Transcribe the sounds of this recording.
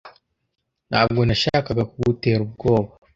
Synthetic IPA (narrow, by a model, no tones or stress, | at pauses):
n̥ha̰ːb̚ɡo̞naʃaːkaɡakuɡute̞ːɾub̚ɡo̞ːβa